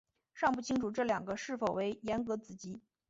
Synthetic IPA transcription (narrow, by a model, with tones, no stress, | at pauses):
ʂɑ˥˧ŋpu˥˩t͡ɕʰi˥ŋʈ͡ʂʰu˨˩ʈ͡ʂɤ˥˩ljɑ˨˩ŋɡə˦ʂɻ̩˥˩fo˨˩ʊwe˧˥ɪjɛ˧˥nkɤ˧˥t͡sɹ̩˨˩t͡ɕi˧˥